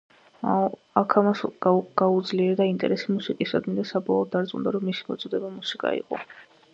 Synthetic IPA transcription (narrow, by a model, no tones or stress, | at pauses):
akʰamasɡ̥aud̪zliɛɾd̪aint̪ʼɛ̰ɾɛsimusikʼisad̪mind̪asabɔlˠɔːd̪̚ːaɾt̪sʼqund̪aɾɔmːisi̥mɔ̰t̪sʼɔd̪ɛbamusikʼa̰ḭqʼɔ̰